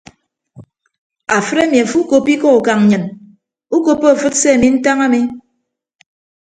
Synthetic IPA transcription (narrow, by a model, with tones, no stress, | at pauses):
a˨fɨ˦ɾe˦mi˨a˨fu˦ko˨pi˦kɔ˦u˨ka˨ŋ̩˨ɲɨ˨n | u˦ko˨pːo˦a˨fɨ˦tse˦a˨mi˦n̩˦ta˦ŋa˦mi˦